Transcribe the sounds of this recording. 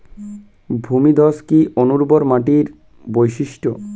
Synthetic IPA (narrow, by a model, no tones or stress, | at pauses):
bʱumid̪ʱɔskiʔonuɾboɾmaʈiɾ | bojʃiʃʈo̰